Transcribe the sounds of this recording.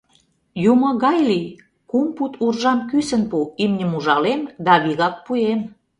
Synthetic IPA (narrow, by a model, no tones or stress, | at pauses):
jumŏɣɑjli | kumput̪ʰurʒɑmkysə̆npuimnʲə̆muʒɑlemd̪ɑβiɣɑk̚puem